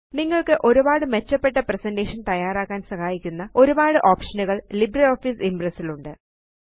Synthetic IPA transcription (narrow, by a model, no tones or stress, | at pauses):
niŋːɐɭkɨʔo̞ɾubaːɽɨme̞t͡ɕːɐpːe̞ʈːɐpresɐndeːʂɐnt̪ɐjaːɾaːkːaːnsɐhaːjikʲːunːɐo̞ɾubaːɽɨʔoːpʂɐnuɣɐɭlibrɐoːfisimbrɐsiluɳɖɨ